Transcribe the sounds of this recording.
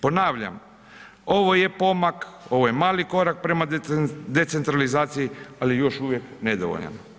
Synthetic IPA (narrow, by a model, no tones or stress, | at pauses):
po̞naːʋʎa̰m | o̞ʋoje̞po̞mako̞ʋojemaːliko̞ɾak̚pɾe̞mad̪e̞t̪se̞nt̪ɾalizaːt̪sijialijejo̞ʃuʋje̞kned̪oʋo̰ʎa̰n